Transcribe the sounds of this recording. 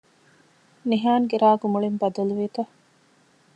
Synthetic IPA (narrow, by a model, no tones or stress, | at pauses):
niɦaːŋɡeɾaːɡumuɭimbɐd̪ɐluʋiːt̪ɐ